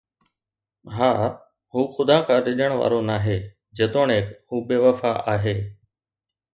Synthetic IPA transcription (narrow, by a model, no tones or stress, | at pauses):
ɦaː | ɦũːxʊd̪ãːkʰãːɾɪɗəɽ̃ʋa̰ːɾonaːɦeː | d͡ʑet̪oːɳeːkhũːɓeːʋəfaːaːɦeː